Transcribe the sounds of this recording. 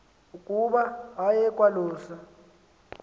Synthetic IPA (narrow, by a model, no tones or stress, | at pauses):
ukʼuɓaɦajɛkʼwalɔːsa